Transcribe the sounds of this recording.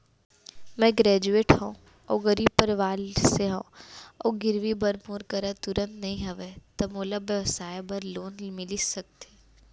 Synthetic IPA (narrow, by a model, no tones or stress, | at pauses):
mɛ̃ɡɾɛːd͡ʒueːʈɦõũ | ɔ̰ːɡɐɾiːb̚pɐɾʋaːlseɦõːɔːɡɪɾʋibɐɾmoːɾkɐɾət̪ʊɾə̃nt̪nɐɦĩɦɐʋet̪ɐmoːləbjəʋsaːjebɐɾloːnmɪlisɐk̚t̪eː